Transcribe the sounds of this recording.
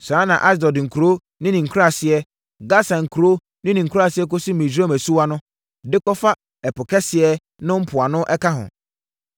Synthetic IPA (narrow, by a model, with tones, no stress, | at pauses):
sa˦nã̰˨ʔa˦s̬dɔ˨dŋ̩˨kʰu˨ɾo˦ | nɪ̃˦nɪ̃˨ŋ̩˨kʰu˦ɾa˦˨sɪ˨ɛ˦ | ɡa˦sã˨ŋ̩˨kʰu˨ɾo˦ | nɪ̃˦nĩ˨ŋ̩˨kʰu˦ɾa˨sɪ˨˦ɛ˦ko˦si˦mĩ˨d͡ʑa˦mæ˨su˦wa˦nʊ̃˦ | dɪ˦kɔ˦fa˦ | ɛ˨pʊ˨kʰɛ˦sɪ˨ɛ˦ | nʊ̃˦m̩˦pʰʊ˨a˨nʊ̃˦ʔɛ˦kʰa˦ɦʊ̰̃˨